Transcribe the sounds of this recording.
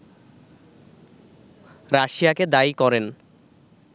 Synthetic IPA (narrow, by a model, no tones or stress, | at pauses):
ɾaʃijaked̪ajkɔɾen